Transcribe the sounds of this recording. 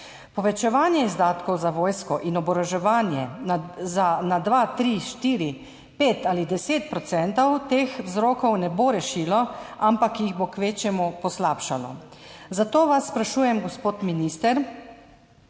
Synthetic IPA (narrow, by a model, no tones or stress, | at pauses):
pɔʋɛt͡ʃɛʋaːnjɛizd̪aːt̪kɔwzaʋoːjskɔʔinɔbɔɾɔʒɛʋaːnjɛzanad̪ʋat̪ɾiʃt̪iːɾi | peːt̪aːlid̪ɛseːt̪̚pɾɔt̪sɛnt̪ɔwt̪eːxwzɾoːkɔwnɛboɾɛʃiːlɔampakjiɣbokʋeːt͡ʃjɛmupɔslaːpʃalɔ̰ | zat̪oːʋasːpɾaʃuːjɛmɡɔspoːt̪minist̪ɛɾ